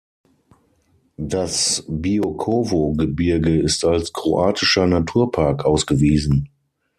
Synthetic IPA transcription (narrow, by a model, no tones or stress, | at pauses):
d̥asbiokʰoːvoɡəbɪɐɡəɪstalskʁ̥oʔaːtʰɪʃɐnatʰuːɐpʰaɐkʔaʊsɡ̥əviːzn̩